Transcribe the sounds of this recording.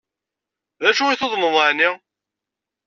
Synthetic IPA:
ðæʃuiθoðˤməðˤaʕni

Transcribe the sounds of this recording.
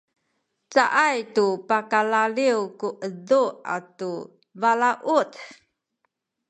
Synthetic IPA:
t͡saʔajtupakalaliwkuʔədua̰tu | valaʔut

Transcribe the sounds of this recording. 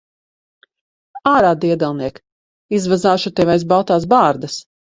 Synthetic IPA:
aːɾaːd̪iɛd̪alˠniɛk | izvazaːʃut̪ɛvajzbalˠt̪aːs̬baːɾd̪as

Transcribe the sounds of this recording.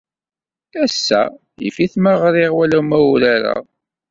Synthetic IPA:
æsːæ | jḭfiθməʁɾɪʁwælæmæwɾaɾæ̰

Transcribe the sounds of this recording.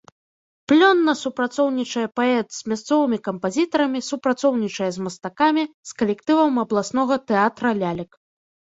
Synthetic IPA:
plʲɔnːɐsupɾat̪sɔwnʲit͡ʂɐjɛpaɛt̪z̥ʲmʲast̪sɔvɨmʲikɐmpazʲit̪ɐɾɐmʲisupɾat̪sɔwnʲit͡ʂɐjɛzmɐst̪akamʲiskɐlʲɛkt̪ɨvɐmɐblˠasnɔɣɐt̪ɛat̪ɾɐlʲalʲɐk

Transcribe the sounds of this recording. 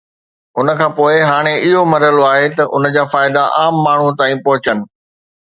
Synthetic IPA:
ʊnə̆kʰãːpoːɪɦaːɽ̃eʔɪɦomɐɾəloaːɦet̪ɐʔʊ̰n̆d͡ʑaːfaːɪd̪aʔaːmːaːɳ̤ũt̪aːĩpɔɦʊt͡ɕənɪ̆

